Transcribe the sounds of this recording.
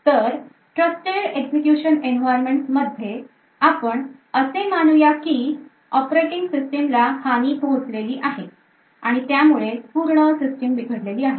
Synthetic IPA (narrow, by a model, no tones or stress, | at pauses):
t̪əɾ | ʈɾəsʈeɾeksekjuɕənenʋajɾmeɳʈsməd̪ʱje | apəɳəsemanujakiː | ɔpɾeʈiŋɡsisʈemlahañiːp̪ot͡sleliːʔaɦe | aɽ̃it̪jamuɭepuɾɳəsisʈemʋiɡʱəɽleliːaɦe